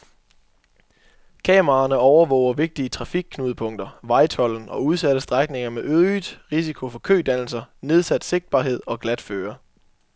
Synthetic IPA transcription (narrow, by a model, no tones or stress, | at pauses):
kʰɛ̰ːmɐɑ̈nəɒʊɐʋɔ̰ʊ̰ɐʋe̝ɡ̥̚d̥iət͡sʰʁɑ̈fiɡ̥̚kʰnuːðˠəpʰɔ̽ŋ̰d̥ɐʋɑ̈ɪt͡sʰɒ̽l̰n̩ʔɒ̽uð̞ˠsæɾ̥əsd̥ʁaɡ̥̚ne̝ŋɐmeʔøðˠid̥ʁisikʰo̝fɒ̽kʰø̰ːd̥æn̰l̩sɐne̝ð̞ˠsæd̥se̝ɡ̥̚d̥̚b̥ɑ̈ːɦe̝ð̰ˠɒ̽ɡ̥læd̥føːɐ